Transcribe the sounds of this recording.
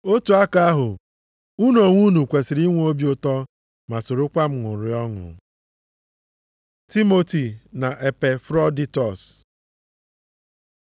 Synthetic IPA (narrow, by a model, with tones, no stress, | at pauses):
o˦tu˨a˦ka˦a˦ɦʊ˨ | u˦n˨o˨ŋʷu˦nu˨kʷe˨sɪ˨ɾi˦ŋʷ˦o˦bjʊ˦tɔ˦ | ma˨so˨ɾo˦kʷa˦m̩˦ŋʊ˨ɾɪ˦˨ɔ˦ŋʊ̰˨ | ti˦mo˦ti˨na˨ʔe˨pe˨fɾɔ˦di˦tɔ˨s